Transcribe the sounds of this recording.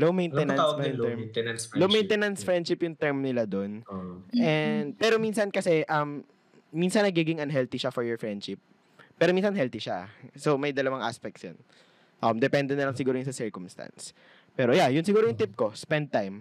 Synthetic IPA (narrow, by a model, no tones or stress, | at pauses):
lowmejnɛnɐ̃mnɛnslowmejnt̪ɛnɐnsfɹɛ̃nd̪ʃɪpjʊŋt̪ɛɹmnɪlad̪onʔɛnd̪̚pɛːɾo̞minsɐnkɐsɛʔɐmː | insɐnːɐɡiɡɪŋɐnɦɛlt̪iʃafɔɹjɔɹfɹɛnd̪ʃɪp̚ː | ɛːɾomiːnsɐnɦɛlt̪iʃa̰somɐjd̪ɐlɐwaŋʔa̰spɛk̚t̪sjo̰n | ʔɐmd̪ɛpɛnd̪ɛnɐlɐŋsɪɡuːɾojʊnsɐsiɹkʊmst̪a̰ns | pɛːɾojajʊnsɪɡuːɾojʊŋt̪ɪp̚kospɛnd̪̚t̪ajm